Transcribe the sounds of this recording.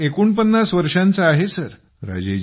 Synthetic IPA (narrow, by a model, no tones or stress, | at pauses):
ekuːɳp̬ənːasʋəɾʂãnt͡saːɦesəɾ | ɾa̰d͡ʑed͡ʑ